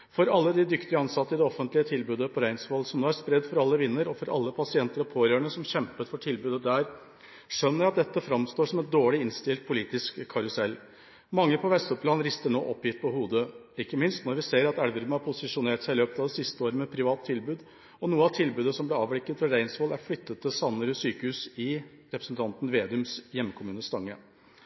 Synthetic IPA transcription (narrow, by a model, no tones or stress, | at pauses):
fɔɾɑlːəd̪ɪd̪ʏkt̪ɪəɑnsɑt̪ːəɪd̪ɛɔfənt̪lɪət̪ʰɪlbʉːd̪əpʰɔɾæɪnsʋɔlsɔmnoːæɾʂpɾɛd̪fɔɾɑlːəʋɪnːəɾɔfɔɾʔɑ̰lːəpʰɑsɪɛnt̪əɾɔpʰoːɾøːɳəsɔmçɛmpət̪fɔʈʰɪlbʉːd̪əd̪æɾ | ʂœnːəɾɑt̪̚d̪ɛt̪ːəfɾɑmst̪oːʂɔmɛt̪̚d̪oːɭɪɪnst̪ɪlt̪̚pʰʊliːt̪ɪskʰːɑɾʊsɛlː | mɑŋːəpʰɔʋɛst̪ɔpʰlɑːnɾɪst̪əɳoːʔɔpːjɪt̪̚ːpʰɔhuːd̪ə | ɪkːəmɪnst̪nɔɾʋɪseːɾɑt̪ælʋəɾməhɑɾpʰʊsɪʂʊneːʈsæɪløːpət̪ɑʋd̪ɛsɪst̪əoːɾəmɛpʰɾɪʋɑːt̪ʰːɪlbʉːd̪ | ɔnuːəɑt̪ʰɪlbʉːd̪əsɔmblɛɑːʋɽɪkːət̪ʋɪɾæɪnsʋɔːlæɾflʏt̪ːət̪ʰːɪlsɑnːəɾəsyːkəhʉːsɪ | ɾɛpɾəsn̩t̪ʰɑnt̪n̩ʋeːd̪ʉmsjɛmːəkʰʊmʉːnəst̪ɑŋːə